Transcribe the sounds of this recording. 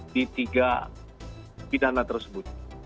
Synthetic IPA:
dit̪iɡa | pidanat̪ərsəbʊt̪̚

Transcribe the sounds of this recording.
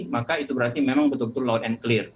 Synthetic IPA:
makait̪ubəɾart̪imemaŋbət̪up̚t̪ulaʊt̪̚ɛnklɪr

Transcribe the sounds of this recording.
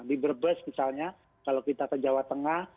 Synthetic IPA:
dibərbəsmisalɲa | kalokit̪akəd͡ʒawat̪əŋah

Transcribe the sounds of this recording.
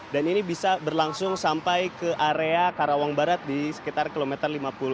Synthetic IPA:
daninibisabərlaŋsʊŋsampajkəʔaɾeakaɾawaŋbaɾat̪̚disə̥kit̪arkilomɛt̪ərlimapulʊ

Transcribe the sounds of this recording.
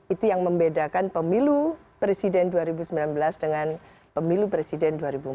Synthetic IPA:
it̪ujaŋməmbedakanpəmilu | pɾesidɛnduaɾibusəmbilanbəlasdəŋan | pəmilupɾesidɛnduaɾibu

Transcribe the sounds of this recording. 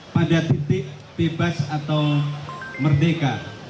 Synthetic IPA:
pad͡ʒad̪it̪ɪʔ | b̥ebasat̪aw | mərdeka

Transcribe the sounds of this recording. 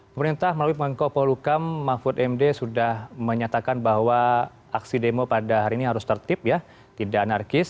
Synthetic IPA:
pəməɾint̪ahməlawipəŋəŋkopolukamːafut̪ɛmdesudahməɲat̪akanbaɦwa | aksidemopadaɦaɾiːniɦaɾʊst̪ərt̪ɪp̚ja | t̪idaʔanarkɪs

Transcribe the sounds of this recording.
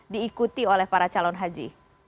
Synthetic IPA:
diːkut̪iolɛhpaɾat͡ʃalɔnɦad͡ʒḭ

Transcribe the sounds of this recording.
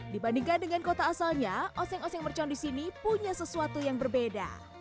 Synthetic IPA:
dibandiŋkandəŋankot̪aːsalɲaʔɔsɛŋɔsɛŋmərt͡ʃɔndisinipuɲasəsuat̪ujaŋbərbeda̰

